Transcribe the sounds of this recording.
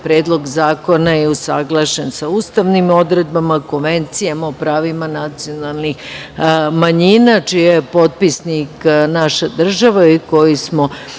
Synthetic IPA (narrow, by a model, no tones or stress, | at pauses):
pɾeːd̪lˠo̞ɡzaːko̞najeusaɡlˠaʃensauːst̪aʋnimo̞d̪ɾed̪̚bamako̞nʋe̞nt̪sijamaopɾaːʋimanat̪sio̞nalˠnix | maɲinat͡ʃijepo̞t̪̚pisniknaʃad̪r̩ʒaʋaiko̞jismo̞